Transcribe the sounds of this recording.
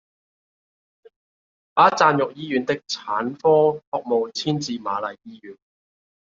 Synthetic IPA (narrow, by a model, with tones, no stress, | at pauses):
ʔaː˥t͡saː˧njʊ˨k̚jiː˥jyː˨˧nt̪ɪ˥k̚t͡sʰaː˨˥nfɔː˥hɔː˨k̚mo˨wt͡sʰiː˥nt͡siː˨˧ma̰ː˨˧lɐ˨jːiː˥jyː˨˥n